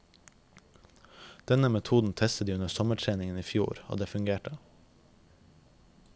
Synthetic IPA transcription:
d̪̥ɛnəmɛt̪ʰuːd̪n̩t̪ʰɛst̪əd̪iːʉnəsɔməʈʰɾeːnɪŋəniːfjṵːɾo̰ːd̪eːfʉŋɡeːʈə

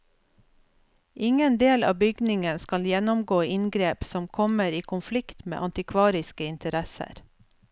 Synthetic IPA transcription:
ʔɪŋənd̪eːlɑ̰ːbʏɡnɪŋənskɑljɛnɔmɡoːʔɪnɡɾeːpsɔmkʰɔməɾiːkʰʊnflɪkt̪mḛːʔɑnt̪ɪkʰʋɑːɾɪskəɪnt̪ʰəɾɛsə̰ɾ

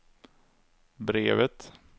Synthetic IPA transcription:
bɾeːvət̪

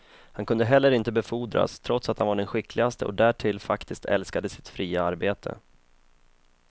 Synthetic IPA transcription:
hankʰɵnd̪əɦɛlːəɾɪnt̪əbɛfuːd̪ɾa̰st̪ʰɾɔt̪sat̪hanvaɖɛnɧɪkʰlɪɡast̪əʔɔ̰d̪æːʈʰɪlːfakt̪ɪskt̪ʰɛ̰lskad̪əsɪ̥t̪fɾiːaaɾbeːt̪ʰə̰

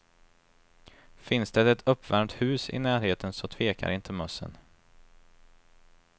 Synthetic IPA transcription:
fɪnsd̪ɛt̪ɛt̪ɵpːvæɾmt̪hʉ̟ːsɪ̰næːɾheːt̪ənsɔt̪ʰv̥eːka̰ɾɪnt̪ʰəmœsːə̰n

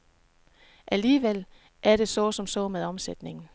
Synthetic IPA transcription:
ʔæliːʋel̰ | ʔæɐɾ̥e̝sɒsɒ̽msɒ̽meðˠɒ̽msed̥ne̝ŋn̩

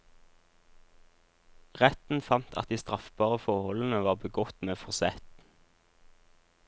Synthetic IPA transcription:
ʁɛt̪n̩fɑnt̪ʰɑ̰t̪̚d̪iːst̪ʁɑfb̥ɑːʁəfɔʁhɔln̩əʋɑːʁbəɡɔt̪meːfɔʁsɛt̪

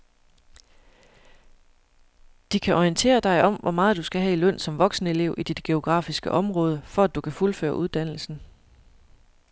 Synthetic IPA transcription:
d̥ikʰæʔɒiənt͡sʰe̝̰ːɐd̥ɑ̈ɪʔɒ̽m̰ʋɒ̽mɑ̈ːð̩ˠd̥usɡ̥æɦɛ̰ilœn̰sɒ̽mʋɒ̽ɡ̥snəe̝le̝ʊ̰ʔid̥id̥ɡ̥e̝o̝ɡ̥ʁɑ̰̈ːfisɡ̥əʔɒ̽mʁɔ̽ːð̞ˠəfɒ̽æd̥ukʰæfulfø̰ːɐʔuð̞ˠd̥æn̰l̩sn̩

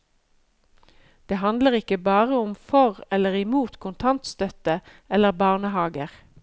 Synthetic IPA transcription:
d̪̥eːhɑnd̪ləʁɪkəbɑːʁəʊmfɔʁɛləʁɪmuːt̪kʰʊnt̪ʰɑnt̪st̪œt̪ə | ɛləʁbɑːʁnəhɑːɡəʁ

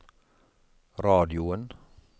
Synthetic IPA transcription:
ɾɑːd̪ɪʊən

